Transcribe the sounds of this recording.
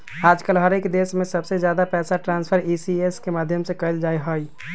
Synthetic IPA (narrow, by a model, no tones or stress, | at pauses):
aːd͡ʒkəlɦəɾekd̪esmẽsəbsed͡ʒjaːd̪apɛːsaʈɾãːnspʰəɾisieskemaːd̪ʱjəmsekəɪld͡ʒajɦəj